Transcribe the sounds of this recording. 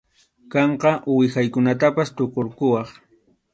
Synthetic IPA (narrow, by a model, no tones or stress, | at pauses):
kɑɴqɑwɪxajkʊnat̪apast̪okoɾkʊwɑχ